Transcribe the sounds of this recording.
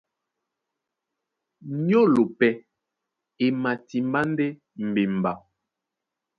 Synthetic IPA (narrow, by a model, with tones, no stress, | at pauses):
ɲo˦lo˨pɛ˦ | e˨ma˨ti˨mba˦n˦dɛ˦ | m̩˨be˨m˨ba˨